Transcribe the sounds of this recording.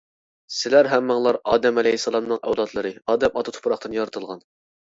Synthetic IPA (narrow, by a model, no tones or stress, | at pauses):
sɪlæɾɦæmːɨŋlˠɑɾɑːd̪ɛmɛlɛjhisːɑlˠɑmnɨŋɛwlˠɑt̪ʰlˠɨɾɨɑːd̪ɛmɑt̪ʰɑt̪ʰu̥pʰɾɑχt̪ɨnjɑɾɨt̪ʰɨlˠʁɑn